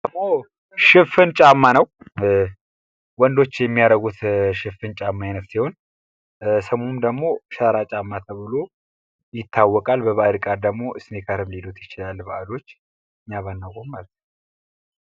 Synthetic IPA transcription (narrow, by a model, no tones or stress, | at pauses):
səmo | ʃɪfɨnt͡ʃʼamːanəw | wɔnd̪o̞t͡ʃːjɛmːijaɾəɡut̪ʃɨfɨnt͡ʃʼamːaɪnəfsiho̞n | səmonmd̪əɡmo̞ʃəɾat͡ʃʼamːat̪ʰəβɨlo | jɪt̪ʰːawːɔkʼalbəβaɾikʼaɾd̪əɡmo̞ʔɨsnekʰaɾɨmled̪ot̪jɪt͡ʃɪlalbaʔalo̞t͡ʃː | ɨɲːaβanːakʼommalət̪nəw